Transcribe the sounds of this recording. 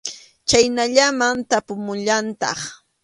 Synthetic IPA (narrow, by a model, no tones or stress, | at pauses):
t͡ʃajnaʎamant̪apʊmʊʎant̪ɑ̰χ